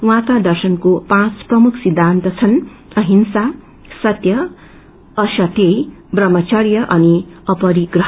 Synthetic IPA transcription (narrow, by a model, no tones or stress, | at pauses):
wãkad̪ʌrsʌnkopãt͡sprʌmukʰsid̪ʱːant̪ʌt͡sʰʌn | ʌɦinsa | sʌt̪jʌː | sʌt̪ejbrʌmʌt͡sʌɾjʌʔʌniʌpʌɾiɡrʌɦ